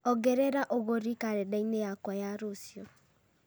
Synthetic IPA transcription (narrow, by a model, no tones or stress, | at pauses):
ɔɡeɾeɾaʔoɣoɾikaɾedɛineakajaɾosjo